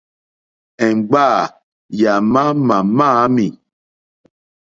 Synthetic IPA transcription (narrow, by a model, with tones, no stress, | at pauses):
ɛ˨ŋ͡mɡ͡ba˦˨ | ja˨mã˦ma˨mã˦mi˨